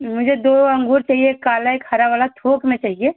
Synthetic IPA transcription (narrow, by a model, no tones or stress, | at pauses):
mʊd͡ʒʱed̪oɐ̃ŋɡuːɾt͡ʃaːɦiekaːlaekʰaɾaʋaːlat̪ʰoːkmẽt͡ʃaːɦie